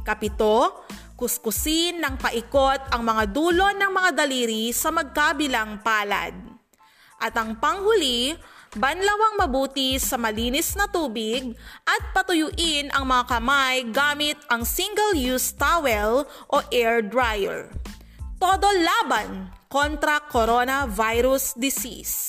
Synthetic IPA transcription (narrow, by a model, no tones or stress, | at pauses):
kɐpɪt̪o | kʊskʊsinːɐŋpɐʔɪko̞t̪ɐŋmɐŋad̪uːlo̞nɐŋmɐŋad̪ɐliːɾisɐmɐɡ̚kabɪlaŋpaːlɐ̰d̪̚ | ʔɐt̪ɐŋpɐŋhʊlibɐnlɐwɐŋmɐbuːt̪isɐmɐliːnɛsnɐt̪uːbɪɡ̚ʔɐt̪̚pɐt̪ʊjʊʔɪnɐŋmɐŋakɐmajɡaːmɪt̪̚ʔɐŋsiŋɡɛljust̪awɛl | ʔo̞ʔɛɹd̪ɾajɛ̰ɹ | t̪o̞ːd̪o̞laːbanko̞nt̪ɾɐkoɾo̞nɐvajɾʊsd̪ɪsḭs